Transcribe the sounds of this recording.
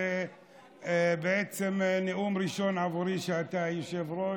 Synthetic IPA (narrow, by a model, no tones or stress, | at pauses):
e | beet͡semneʔumɾiʃo̞navuɾiʃeat̪ajoʃevɾo